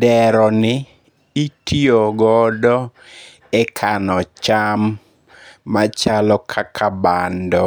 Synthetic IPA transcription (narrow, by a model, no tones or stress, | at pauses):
dɛɾɔnɪ | itʰioɡɔdɔ | ɛkʰanɔt͡ʃamː | at͡ʃalɔkʰakʰabandɔ